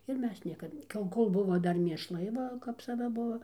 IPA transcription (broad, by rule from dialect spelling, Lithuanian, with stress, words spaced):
ɪr ˈmʲɛs ˈnʲiɛkɐt kɐ jɛʊ ˈkoːlˠ ˈbʊʋoː ˈdɐr mʲeːʃˈlˠɐɪ ˈʋɐ kɐp sɐˈʋɐ ˈbuɔ